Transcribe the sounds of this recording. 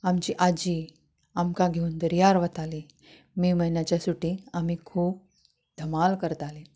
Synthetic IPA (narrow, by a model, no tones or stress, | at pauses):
amt͡ɕiːʔad͡ʑiː | amkaɡʱeuːnd̪əɾjaɾʋət̪ali | miːməinjat͡ɕjasuʈiːamiːkʰuːp̚ | d̪ʱəmalkəɾt̪ali